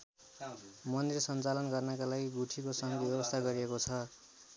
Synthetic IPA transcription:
mʌnd̪irsʌnt͡salʌnɡʌrnʌkalaɡiɡuʈʰikosʌŋɡʌbebʌst̪ʰaɡʌɾiekot͡sʰʌ

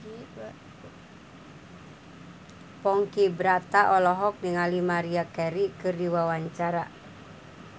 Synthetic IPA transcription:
pɔŋkibɾat̪aʔɔlɔɦɔk̚niŋalimaɾiakɛɾikɨrdiwawaɲt͡ʃaɾa

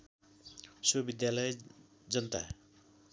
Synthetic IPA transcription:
sʌbid̪jalʌj | d͡zʌnt̪a̰

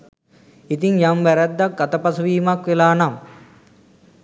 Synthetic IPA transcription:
it̪iŋjamʋæɾæd̪ːak̚ɡat̪əpasɐʋiːmakʋelaːnam

